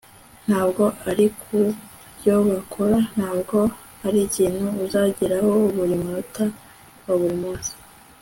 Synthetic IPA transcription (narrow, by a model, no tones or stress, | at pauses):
n̥haːbɡo̞ʔaɾikʰu | bjo̞βakʰoɾan̥haːbɡo̞ | aɾiciːn̥huːzaɟiɾahouβuɾimuɾuta | waβuɾimuːsi̥